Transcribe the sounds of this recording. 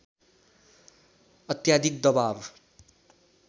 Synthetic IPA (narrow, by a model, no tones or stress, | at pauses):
ʌt̪jad̪ik̚d̪ʌbab